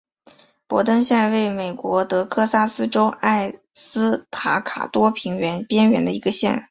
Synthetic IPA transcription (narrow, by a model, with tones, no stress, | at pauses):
pwɔ̰˧˥t̪ɤ˥ŋɕjɛ˥˧nwe˥˩ɪme˨˩ɪkwɔ˧˥t̪ɤ˧˥kʰɤ˥˧sa˥sɹ̩˥ʈ͡ʂo˥ʊʔa˥˩ɪsɹ̩˥t̪ʰa˧˥kʰa̰˨˩t̪wɔ˥pʰi˧˥ŋɥɛ˧˥npjɛ˥nɥɛ˧˥nd̪ə˧i˧˥ɡə˧ɕjɛ̰˥˩n